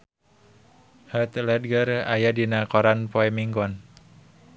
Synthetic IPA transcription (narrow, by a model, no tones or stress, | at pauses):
hət̪lɛd̚ɡəra̰jadinakɔɾanpɔɛmiŋɡɔn